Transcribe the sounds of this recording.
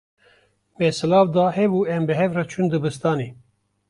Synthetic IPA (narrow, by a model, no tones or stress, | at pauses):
mɛsɨlɑːvd̪ɑːhɛbuɛmbɨɦɛvrat͡ʃʰund̪ɨbɨst̪ɑːni